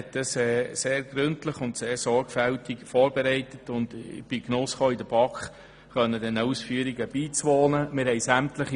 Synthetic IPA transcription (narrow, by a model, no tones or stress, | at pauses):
ɛtdəsɛːseːɾɡ̥ɾʏntləχʊntseːɾsɔɾɡfæltɪɡfɔːɾbeɾɛɪtətʊnd̥ɪ̰b̥iknʊsχoːidəb̥ɑkχ | χœnːəd̥ɛnəusfyːəɾiɡəb̥iːt͡sʋɔːnəmɪɾɦhɛɪsæmtləχi